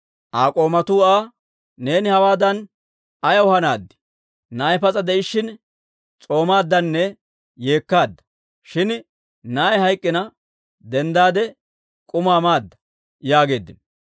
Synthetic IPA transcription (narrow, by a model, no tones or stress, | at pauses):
ʔaːkʼo̞ːmɐt̪uːaː | ne̞ːnɪhɐwaːd̪ɐn | ɐjɐwʊhɐnaːd̪ːɪ̥ | naːjpɐt͡sʼɐd̪ɛʔɪʃːɪn | t͡sʼo̞ːmaːd̪ːɐnːɛ | jeːkːaːd̪ːɐ̥ | ʃɪn | naːjhɐjkʼːɪnɐ | d̪ɛnd̪aːd̪ɛ | kʼʊmaːmaːd̪ːɐ̥ | jaːɡe̞ːd̪ːɪn